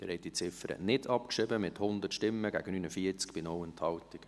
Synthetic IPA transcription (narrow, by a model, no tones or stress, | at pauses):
d̪̥ɪɾhɛt̚dit͡sɪfəɾə̰nɪdɑpkʃɪbəmɪthʊnd̪ətʃtɪmːəɡæɡənyːnəfiət͡skb̥ɪnɔwɛnt̪hɑltɪɡ̥